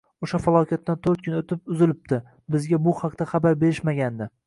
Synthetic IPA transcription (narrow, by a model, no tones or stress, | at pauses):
oʃafalˠɒkʲat̪ːant̪ʰɵɾt̪kʰʊnot̪ʰɪp̚ʊzɪlɪp̚t̪ɪ | bɪzɡʲabʊhaqt̪aχabaɾbe̞ɾɪʃmaɡʲand̪ɪ